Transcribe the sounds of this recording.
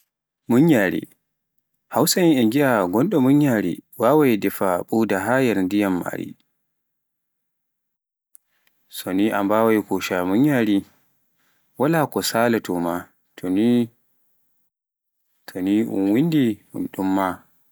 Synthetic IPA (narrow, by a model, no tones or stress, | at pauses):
muɲːjaɾḭ | hawsainɛɡiaɡɔnɗɔmuɲjaɾḭwawajdɛfaɓuːdaɦajɛɾndijamːa̰ɾḭ | sɔniʔa̰mbawajkuʃamuɲjaɾi | walakɔsaːlatɔma | tʰɔni | tʰɔniʔṵnwindihṵnɗumːa